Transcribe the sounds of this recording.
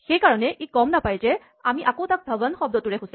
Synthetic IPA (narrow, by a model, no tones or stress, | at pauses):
xejkaɹɔnɛʔekɔmnapajzɛ | amiʔakowtak̚bʱabɔnxɔb̚dɔtʊɹɛxʊs